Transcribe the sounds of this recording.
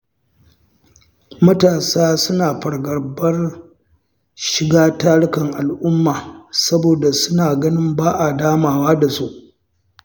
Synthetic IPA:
mɐ˦taː˨saː˦sʊ˦naː˨ɸɐ˨ɾɡɐ˨rbɐ˦r | ʃɪ˨ɡaː˦taː˦ɽʊ˦kɐ˨ŋʔa˨lʔʊ˦mːaː˨sɐ˦boː˨da˨sʊ˦naː˨ɡɐ˦nɪ˦mbaː˦ʔa˨daː˦maː˨waː˦da˨su˦ʔ

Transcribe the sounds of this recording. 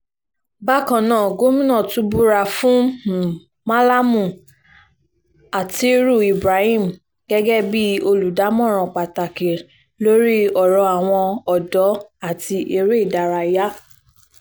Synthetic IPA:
ba˦kã˨nãː˦˨ɡo˦mĩ˦nɔ̃˦˨tũ˧˦bu˦ɾa˧fũ˦˨ | ma˦la˦mũ˦˨ | a˨ti˧˦ɾu˦˨i˨bɾa˨˦hĩ˦˨m˨ | ɡ̥ɛ˦ɡɛ˦bi˦o˧lu˨da˨˦mɔ̃˦˨ɾ̃ɔ̃˨k͡pa˨ta˨ke˨ | lo˦ɾi˦ɔ˨ɾɔ̃˨˧˦a˨w̃ɔ̃˧ɔ˨dɔ˨˦a˦˨ti˧ʔe˧ɾe˦i˦˨da˨ɾa˧˨ja˦

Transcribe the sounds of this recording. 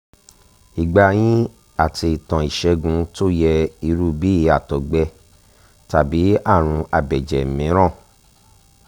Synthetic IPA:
i˨ɡ͡ba˧j̃ĩ˦ | a˦˨tʰi˧i˨tã˨i˨ʃɛ˧ɡũ˨˧to˦jɛ˧i˧ɾu˦˨bi˨˦i˨˦a˦˨tɔ˨ɡ͡bɛ˧ | ta˨bi˨˦a˦˨ɾ̃ũ˧a˨bɛ˨d͡ʒɛ˨mĩ˨˦ɾ̃ã˦˨

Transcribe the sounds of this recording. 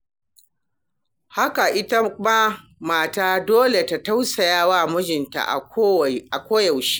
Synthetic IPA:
ha˦ka˨ʔɪ˦ta˦kma˦ | maː˨taː˦doː˦le˨ta˨ta˦wsɐ˨jaː˦waː˦˨mʊ˦d͡ʒɪ˨nta̰˨ʔʔa˨kʷoː˦ja˨wʃi̥ː˦

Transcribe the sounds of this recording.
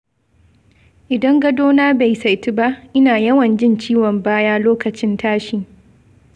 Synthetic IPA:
ʔɪ˨dɐ˦ŋɡɐ˦doː˦naː˦ba˨jsa˨jti˦ba˦ʔʔɪ˦naː˨jɐ˦wɐ˨nd͡ʒɪ˦nt͡ʃiː˦wɔ˨mbaː˦jaː˦loː˦kɐ˨t͡ʃɪ˦ntaː˦ʃi˨

